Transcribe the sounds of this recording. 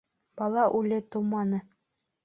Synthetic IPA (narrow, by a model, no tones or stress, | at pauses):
b̥ɑlˠɑʔʉlɘt̪uwmɑnɤ